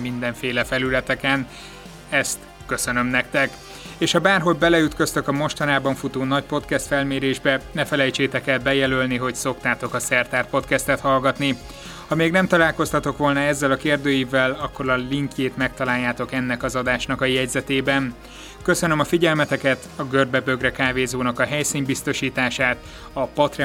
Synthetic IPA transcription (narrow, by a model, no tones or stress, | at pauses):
mind̪ɛɱfeːlɛfɛlylɛt̪ɛkɛn | ɛst̪ | kø̞sønø̞mnɛkt̪ɛk | eːʃhɒbaːrɦo̞ɟbɛlɛyt̪kø̞st̪ø̞kɒmo̞ʃt̪ɒnaːbɒɱfut̪oːnɒcpo̞t̪kɛst̪fɛlmeːɾeːʒbɛnɛfɛlɛjt͡ʃeːt̪ɛkɛlbɛjɛlølniɦo̞cso̞kt̪aːt̪o̞kɒsɛrt̪aːrpo̞t̪kɛst̪ɛt̪hɒlɡɒt̪ni | hɒmeːɡnɛmt̪ɒlaːlko̞st̪ɒt̪o̞kʋo̞lnɒɛzːɛlɒkeːrd̪øːjivɛlɒkːo̞ɾɒliŋkjeːt̪mɛk̚t̪ɒlaːjːaːt̪o̞kɛnːɛkɒzɒd̪aːʃnɒkɒjɛɟzɛt̪eːbɛn | kø̞sønømɒfiɟɛlmɛt̪ɛkɛt̪ɒɡørbɛbø̞ɡrɛkaːveːzoːnɒkɒɦɛjsiːnbist̪o̞ʃiːt̪aːʃaːt̪ | ɒpɒt̪rɛ